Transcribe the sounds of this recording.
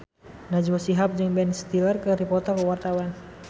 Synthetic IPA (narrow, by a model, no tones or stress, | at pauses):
nad͡ʒwɔsiɦap̚d͡ʒɨŋbɛnst̪ilərkəɾipɔt̪ɔkəwart̪awan